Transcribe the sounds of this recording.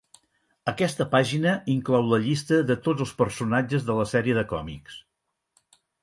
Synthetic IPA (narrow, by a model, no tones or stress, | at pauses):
əkɛst̪əpaʒinəiŋklɔwləʎist̪əðət̪od͡zəlˠspəɾsunad͡ʒəzðələsɛɾiəðəkɔ̰mḭks